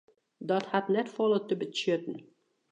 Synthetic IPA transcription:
dɔthatnɛtfɔlˠət̪əbət͡ʃøtən̩

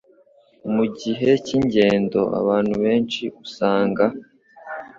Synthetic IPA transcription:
muɟiɦe̞ciɲɟe̞ːndo̞̰ʔa̰βaːn̥huβe̞ːnt͡ʃiusaːŋɡa

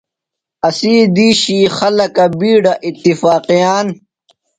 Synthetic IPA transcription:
ɐsiːd̪iːɕiːxɐlɐkɐbiːɖɐʔit̪ːifaːqijaːn

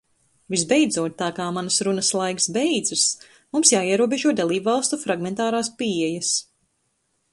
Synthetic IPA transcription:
vizbɛjd̪zuɔt̪ːaːkaːmanɐsɾunɐslˠajksbɛjd̪zɨs | mumsjaːiɛɾuɔbeʒuɔd̪alˠiːbvalˠst̪ufɾaɡmɛnt̪aːɾaːspiɛjɐs

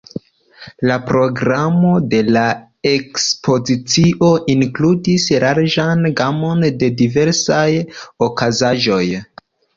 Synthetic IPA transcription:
lapɾo̞ɡɾamo̞de̞la | e̞kspʰo̞zit͡siʔo̞ʔiŋkludisɾaɾd͡ʒanɡamo̞nde̞dive̞ɾsajo̞kazaʒo̞j

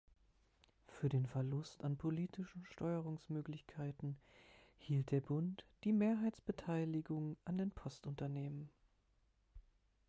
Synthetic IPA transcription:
fyːɐdeːnfɛɐlʊstanpʰoliːtʰɪʃn̩ʃtʰɔʏəʁ̞ʊŋsmøːklɪçkʰaɪtn̩ | hiːlt̚d̥eːɐbʊntd̥iːmeːɐɦaɪtsb̥ətʰaɪlɪɡʊŋʔandeːnpʰɔstʔʊntɐneːmən

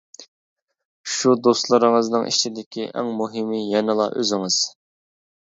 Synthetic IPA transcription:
ʃud̪ost̪lˠɨɾɨŋɨznɨŋʔḭt͡ʃʰid̪ɪkʲiʔɛ̰ŋmuɦɪmijɛnɨlˠɑ̰ʔø̰zɪŋɨz̥

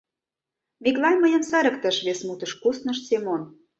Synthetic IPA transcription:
meklɑnʲməjə̆msæɾə̆kt̪ə̆ʃβesmut̪ə̆ʃkusnə̆ʃsemon

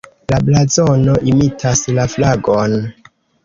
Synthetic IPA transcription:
lablazonoʔimitʰaslaflaɡon

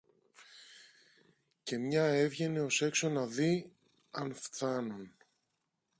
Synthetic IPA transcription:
ce̞mɲɐe̞vʝe̞ne̞o̞se̞kso̞nɐði | ɐnfθɐnun

